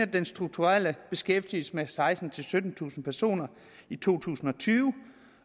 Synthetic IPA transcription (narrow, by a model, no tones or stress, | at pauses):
æd̥ensd̥ʁuɡ̥̚t͡sʰuʁal̰əb̥e̝sɡ̥efd̥il̩səmesɑ̈ɪsd̥n̩t͡sʰe̝lsød̥n̩t͡sʰṵːsn̩pʰæɐso̝̰ːnɐ | it͡sʰo̝̰ːt͡sʰṵːsn̩ɒ̽t͡sʰyːʊə